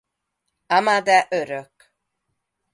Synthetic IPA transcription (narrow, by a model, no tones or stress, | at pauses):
amad̪ɛʔøɾøk